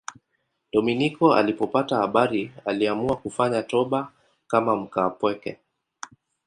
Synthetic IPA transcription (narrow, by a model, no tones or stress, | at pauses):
ɗɔminikɔa̰lipɔpatahaɓaɾialiamuakufaɲatɔɓa | kamam̩kaːpwɛkɛ̰